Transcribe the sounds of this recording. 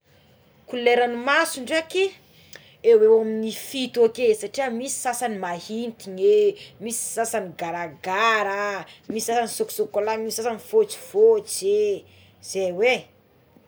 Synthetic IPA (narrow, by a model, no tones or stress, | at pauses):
kuleɾanimasuɳɖ͡ʐake | ewewaminifit̪okesaʈ͡ʂiəmisi̥sasanimahint̪iɲemisi̥sasaniɡaɾaɡaɾamisisasanisoku̥sokolamisisasaniv̥ot͡ʃi̥v̥ot͡ʃe | z̥ejwe